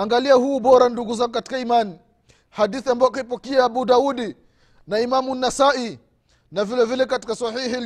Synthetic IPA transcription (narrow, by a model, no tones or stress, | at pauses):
aŋɡaliahuːɓɔɾanduɡuzaɡɔkati̥kaimani | haɗiθiambaɔkaipɔkiaːɓuɗauɗi | naimamunːasaʔi | navilɛvilɛkati̥kasahihi